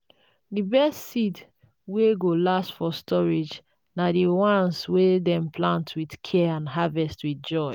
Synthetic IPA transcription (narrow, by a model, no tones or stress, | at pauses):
dibɛstsit | weɡolastfɔstʰɔɹed͡ʒ | nadiwãnswedɛ̃mplãntʰwidkʰɛãnɦavɛstwidd͡ʒɔɪ